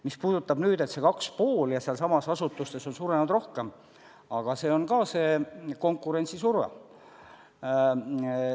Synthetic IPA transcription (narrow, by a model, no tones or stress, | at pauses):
mispuːd̪̥ut̪ːˑɑbnyːd̪̥e̞t̪se̞kɑkspoːljɑseɑlsɑmɑsɑsut̪ːˑust̪e̞so̞nsuːɾenud̪ro̞hke̞m | ɑɡ̥ɑse̞ːo̞nkɑːse̞ːko̞ŋkːˑuɾe̞nʲt̪sisurvḛ